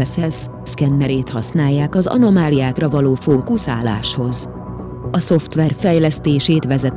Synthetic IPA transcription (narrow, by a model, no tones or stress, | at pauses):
ɛsɛs | skɛnːɛɾeːt̪hɒsnaːjːaːkɒzɒ̰no̞maːlijaːkrɒvɒloːfoːkusa̰ːla̰ːʃho̞z | ɒso̞ft̪ʋɛrfɛjlɛst̪eːʃeːt̪ʋɛzɛt̪